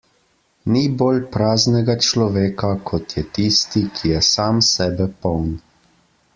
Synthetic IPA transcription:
niboːlpɾaːznɛɡat͡ʃlɔʋeːkakʰɔt̪jɛt̪iːst̪ikʰijɛsaːmsɛːbɛpɔwn

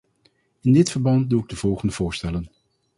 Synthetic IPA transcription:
ɪndɪtfəɹbɑnt̚duɪɡ̚dəv̥ɔlˠχəndəv̥ʊːɹstɛlən

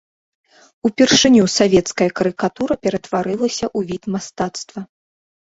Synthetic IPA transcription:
upʲɛrʂɨnʲusavʲɛt̪skɐjɐkɐɾɨkat̪uɾɐpʲɛɾɐt̪vaɾɨlˠɐsʲɐʔuvʲit̪mast̪at̪st̪vɐ

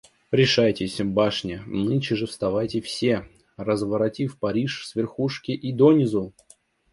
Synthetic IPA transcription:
ɾʲɪʂajtʲɪsʲbaʂnʲɪnɨnɕɪʐɨfst̪ɐvajtʲɪfsʲe | rəzvəɾɐtʲifpɐɾʲiʂsvʲɪrxuʂkʲɪʔid̪onʲɪzu

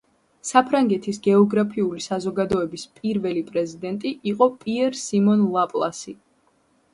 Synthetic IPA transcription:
sapʰɾaŋɡɛt̪ʰisɡɛɔɡɾapʰiulisazɔɡad̪ɔɛbispʼiɾvɛlipʼɾɛzid̪ɛnt̪ʼiʔiqʼɔpʼiɛɾsimɔnlˠapʼlˠa̰si

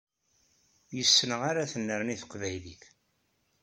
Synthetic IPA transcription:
jəsːənəʁaɾaθənːəɾniθə̥qvæjliç

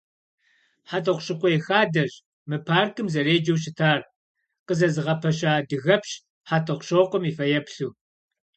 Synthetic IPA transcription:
ħatʰʼɐχʷɕɨqʷʼɔjxaːdɐʑ | mɨpʰaːrkʰʼɨmzɐreːd͡ʒɐwɕ̬ɪtʰaːr | qəzɐzɨʁɐpʰɐɕ̬aːdɨɣɐpɕ | ħaːtʰʼɐχʷʊɕoːqʷʼɔmiːfɐjɛpɬuː

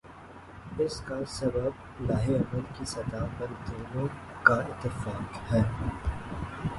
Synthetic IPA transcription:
ɪskasɐbəb | laːɦeɐməlkisɐd̪aːpɐɾd̪iːnõkaɪt̪ːɪfaːkhɛː

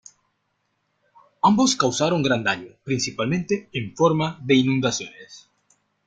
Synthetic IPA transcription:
amboskawsaɾoŋɡɾand̪aɲʊpɾinsipalmẽnt̪eːɱfoɾmaðeinũnd̪asjones

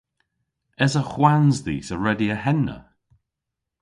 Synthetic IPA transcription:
ɛzəxwanzðḭːsəɹɛdiəhɛnːə̰

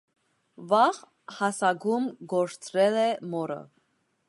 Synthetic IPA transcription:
vɑʁ | hɑsɑɡumɡɔɾt͡sʰɾɛlɛmɔɾə̰

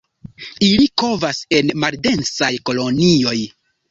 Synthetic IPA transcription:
iliko̞vase̞nmalde̞nsajko̞lo̞nio̞j

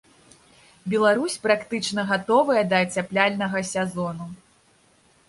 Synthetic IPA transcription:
bʲɛlˠaɾusʲpɾakt̪ɨt͡ʂnɐɣat̪ɔvɐjɐd̪ɐt͡sʲaplʲalʲnɐɣɐsʲɛzɔn̪u

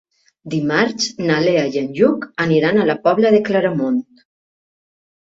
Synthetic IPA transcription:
d̪imaɾt͡ʃnaleajənʲʒukəniɾanalapɔβlaðeklaɾamont̪

